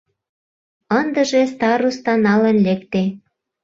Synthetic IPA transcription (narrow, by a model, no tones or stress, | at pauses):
ənd̪ə̆ʒest̪ɑɾust̪ɑnɑlə̆nlekt̪e